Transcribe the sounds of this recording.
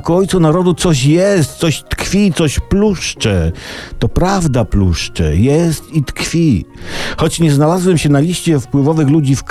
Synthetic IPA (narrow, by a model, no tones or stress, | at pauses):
kuɔjt̪sunaɾɔd̪ut̪sɔɕ̬jɛst̪̚t̪sɔɕt̪kfʲit̪sɔɕpluʂt͡ʂɛt̪ɔpɾavd̪apluʂt͡ʂɛ̰jɛst̪it̪kfʲixɔt͡ɕɲɛznalazwɛmɕɛnalʲiɕt͡ɕɛfpwɘvɔvɘxlud͡ʑifk